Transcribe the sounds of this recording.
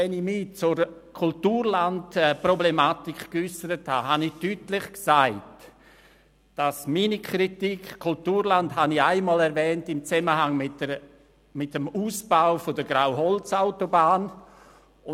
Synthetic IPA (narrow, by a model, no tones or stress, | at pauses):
ɛnimit͡sʊɾ | kʰʊltuːɾlantɛproblemaːtikkysəɾətha̰ɦanɪtytlɪχksaɪt | d̥asminikʰɾitikkʰultuːɾlandhaniaɪmaːlɛɾvɛːntɪmt͡sɛməɦaŋmɪtə | mɪtəmuːsb̥aʊfodəɡɾaʊɦɔlt͡saʊtobaːn | ʊ